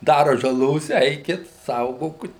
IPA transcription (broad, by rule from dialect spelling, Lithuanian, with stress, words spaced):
ˈdɑːrɐ ʒɐˈlˠoːs ˈɛɪkʲɪt ˈsɐʊɡoːkʊt